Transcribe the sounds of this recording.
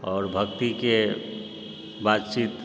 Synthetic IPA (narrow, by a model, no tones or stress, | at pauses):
ɔːɾbʱəkt̪ike | baːt̪t͡ʃiːt̪